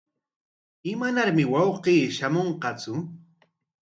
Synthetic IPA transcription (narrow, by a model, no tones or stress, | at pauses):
ɪmanaɾmɪwɑwqiːʃamoɴqɑt͡sʊ